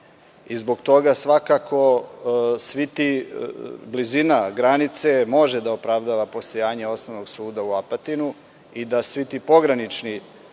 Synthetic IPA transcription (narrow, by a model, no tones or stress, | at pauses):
izbo̞ɡt̪o̞ɡasʋakako̞ | sʋit̪i | blizinaɡɾanit̪se̞mo̞ʒed̪aopɾaʋd̪aʋapo̞st̪o̞jaːɲe̞o̞snoʋno̞ɡsuːd̪auapat̪inu | id̪asʋit̪iːpo̞ɡɾanit͡ʃni